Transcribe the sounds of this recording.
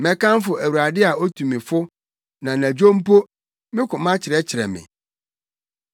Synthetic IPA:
mɛ̃˨kã˦n˦fʊ˨æ˨wu˨ɾa˨dɪ˦a˨o˦tʰu˨mɪ̃˨fʊ˦ | nã˨næ̃˨d͡ʑᶣo˦m̩˦po˦ | mɪ̃˦kʰʊ̃˨mã˦t͡ɕʰɪ˨ɾɛ˦t͡ɕʰɪ˨ɾɛ̰˨mɪ̰̃˨

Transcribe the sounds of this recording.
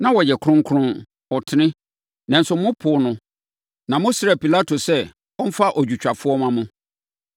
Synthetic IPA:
nã˦wɔ˨jɛ˨kʰɾʊ̃˦ŋ˦kʰʊ˦ʊ̃˦n | ɔ˨tʰɪ˦nɪ̃˦ | nɛ̃˨n̩˨sʊ˨mʊ̃˦pʰʊ˨˦nʊ̃˦ | nã˨mʊ̃˦sɾɛ˨pi˨la˦tʰo˨sɛ˦ | ɔ˦m̩˦fa˦ʔɔ˨d͡ʑᶣu˨t͡ɕᶣa˨fʊ˦ɔ˦mã˦mʊ̃˦

